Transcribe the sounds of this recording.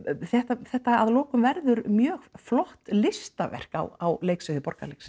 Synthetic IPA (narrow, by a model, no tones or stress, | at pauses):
θɛht̪aθɛht̪aaðlɔːkʏmvɛɾðʏɾmjœːɣflɔht̪lɪst̪avɛ̰r̥ka̰wawleːjksʏðɪpɔɾka̰lejksɪ̥